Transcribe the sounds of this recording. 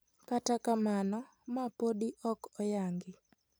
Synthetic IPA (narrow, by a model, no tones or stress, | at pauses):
katakamanɔ | mapoɗiʔɔkɔjaŋɡɪ